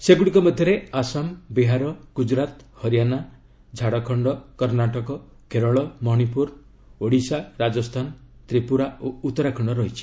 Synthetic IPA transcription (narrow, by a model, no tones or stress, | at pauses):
seɡuɽikɔmɔd̪ʱjɔɾeasambiɦaɾɔɡ̥ud͡ʒɾat̪hɔɾjana | d͡ʒʱaɽɔkʰɔɳɖɔkɔɾnaʈɔkɔ | kʰeɾɔɭɔmɔɦñipuɾ | oɽisaɾad͡ʒɔst̪ʰant̪ɾipuɾaout̪ːɔɾakʰɔɳɖɔɾɔɦit͡ʃʰi̥